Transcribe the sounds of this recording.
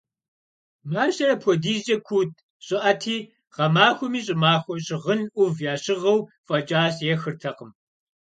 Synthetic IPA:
maːɕɐrɐpʰʷɔdiːʑɐkʷʰuːt̚ʰ | ɕʼɪʔɐtʰiː | ʁɐmaːxʷɔmiːɕ̬ʼɪmaːxʷɔɕʼɪʁənʔʷʊvjaːɕɪʁɐw | fʼɐt͡ʃʼaːsjɛxɨrtʰɐqəm

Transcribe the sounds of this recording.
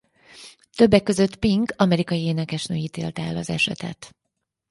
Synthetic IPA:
t̪ø̞bːɛkːø̞zø̞t̪piŋɡɒmɛɾikɒjieːnɛkɛʃnøːjiːt̪eːlt̪ɛɛlːɒzɛ̰ʃɛ̰t̪ɛ̰t̪

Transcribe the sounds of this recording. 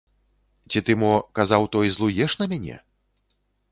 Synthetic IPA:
t͡sʲit̪ɨmɔkazawt̪ɔjzlˠujɛʂnɐmʲanʲɛ̰

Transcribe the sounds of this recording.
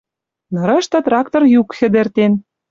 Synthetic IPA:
nɤ̆ɾɤ̆ʃt̪ɤ̆t̪rɑkt̪orjukxɘ̆d̪ɘ̆rt̪en

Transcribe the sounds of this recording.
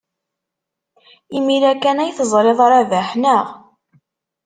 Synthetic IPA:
imiɾækænæjθəzˤɾeðˤɑɾˤæðæħnəʁ

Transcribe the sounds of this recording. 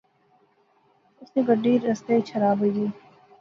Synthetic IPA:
ʊsnẽɡəɖːiːɾɐst̪et͡ʃʰɐɾaːbəd͡ʒiː

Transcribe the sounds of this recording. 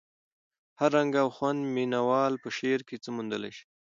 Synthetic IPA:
haɾːaŋɡaːwxwand̪minawɑlpəʃeɾket͡səmund̪əla̰jʃi̥

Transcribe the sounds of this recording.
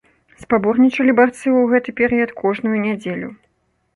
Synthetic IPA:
spabɔrnʲit͡ʂɐlʲibart̪sɨwɣɛt̪ɨpʲɛɾɨjɐt̪kʰɔʐnujunʲad͡zʲelʲu

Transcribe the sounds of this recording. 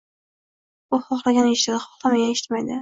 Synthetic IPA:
ʊχɒχlˠaɡʲanɪʃɪd̪ɪχɒ̥χlˠamaɡʲaneʃɪ̥t̪majd̪ɪ

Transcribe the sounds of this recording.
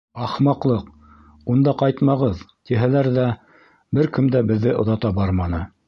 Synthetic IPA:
ɑχmɑqlˠɤq | und̪ɑqɑjt̪mɑʁɤðt̪iɦælæɾðæ | bɘɾkɵ̆md̪æbɘ̆ðːɘʔŏðɑt̪ɑbɑɾmɑnɤ

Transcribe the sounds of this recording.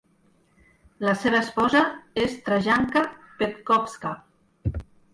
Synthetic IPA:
laseβaespɔzaest̪ɾaʒaŋkapet̪kɔpska

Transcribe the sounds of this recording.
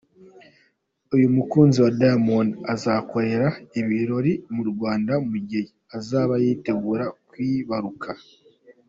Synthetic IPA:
ujumukuːnziwadamonazako̞ɾe̞ɾaiβiɾo̞ɾimuɾɡwaːndamuɟeji | azaːβajiːte̞ɡuɾakwiːβaɾukʰa

